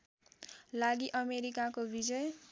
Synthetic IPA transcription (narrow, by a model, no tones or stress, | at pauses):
laɡiʔʌmeɾikakobid͡zʌj